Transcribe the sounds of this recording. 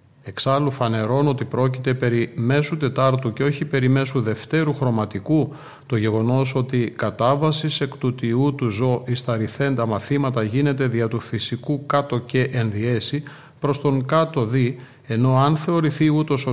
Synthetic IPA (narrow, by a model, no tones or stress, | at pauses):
e̞ksɐlufɐne̞ɾo̞no̞t̪ipɾo̞cit̪e̞pe̞ɾime̞sut̪e̞t̪ɐɾt̪uceo̞çipe̞ɾime̞suðe̞ft̪e̞ɾuxɾo̞mɐt̪iku | t̪o̞ʝe̞ɣo̞no̞so̞t̪ikɐt̪ɐvɐsise̞kt̪ut̪iut̪uzo̞ʔist̪ɐɾiθe̞nd̪ɐmɐθimɐt̪ɐʝine̞t̪e̞ðiɐt̪ufisikukɐt̪o̞ce̞ʔenðie̞si | pɾo̞st̪o̞ŋkɐt̪o̞ði | e̞no̞ɐnθe̞o̞ɾiθiut̪o̞so